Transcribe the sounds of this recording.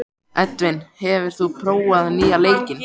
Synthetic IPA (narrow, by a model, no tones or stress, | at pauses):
ʔɛt̪vɪnhɛvɪɾ̥θupʰɾoːwaðniːaleːjcɪn